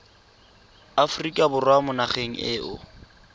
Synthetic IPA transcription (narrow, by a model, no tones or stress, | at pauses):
afʊrikʼabʊrwamʊnaχeŋ̩ʔɪːʔʊ̰